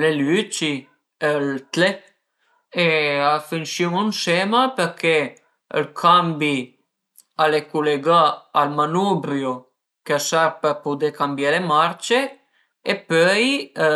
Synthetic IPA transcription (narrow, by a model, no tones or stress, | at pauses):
lelyt͡ʃi | elt̪le | eafinʃimunsemapeɾke | ə̰lkʰambi | alekuleɡaːlmanubɾjo | keasaɾpəɾpud̪ekambjalemaɾt͡ʃe | epœj